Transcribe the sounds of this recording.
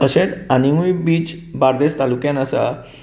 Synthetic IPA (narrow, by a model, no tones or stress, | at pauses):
əɕẽt͡sanimuibiːt͡ɕbaɾd̪est̪alukjãnəsa̰